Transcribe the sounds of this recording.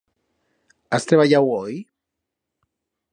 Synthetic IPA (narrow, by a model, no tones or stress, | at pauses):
ast̪ɾeβaʝawoj